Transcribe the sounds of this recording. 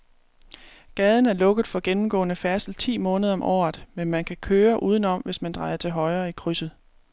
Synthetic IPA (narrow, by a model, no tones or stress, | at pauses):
ɡ̥ɛð̞ˠn̩æɐlɔ̽ɡ̥ð̩ˠfɒ̽ɡ̥enm̩ɡ̥ɔ̰̽ːnəfæɐsl̩t͡sʰḭːmɔ̽ːnəð̞ˠɐɒ̽mʔɒ̰ːð̩ˠmenmænkʰækʰøːɐʔuːðˠən̩ɒ̽mʋe̝smænd̥ʁɑ̈ɪɐt͡sʰe̝lɦɒ̽ɪɐːikʰʁysð̩ˠ